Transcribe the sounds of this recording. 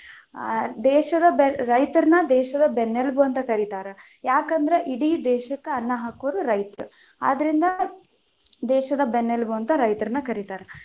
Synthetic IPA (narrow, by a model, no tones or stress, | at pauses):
d̪ɛːʃɐd̪ɐbɾɐjt̪ɐɾnɐd̪ɛːʃɐd̪ɐbenːelbuɐnt̪ɐkɐɾit̪aːɾe | jaːkɐnd̪ɐɾeʔiɽid̪ɛːʃɐkːeɐnːɐɦaːkoʋɾuɾɐjt̪ɐɾu | a̰ːd̪ɐɾind̪ɐ | d̪ɛːʃɐd̪ɐbenːelbuɐnt̪ɐɾɐjt̪ɐɾnːɐkɐɾit̪aːɾe